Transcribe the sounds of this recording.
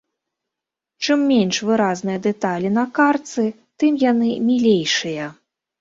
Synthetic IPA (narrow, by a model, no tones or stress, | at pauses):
t͡ʂɨmːʲenʂvɨɾaznɨjɐd̪ɛt̪alʲin̪ɐkart̪sɨ | t̪ɨmjanɨmʲilʲejʂɨjɐ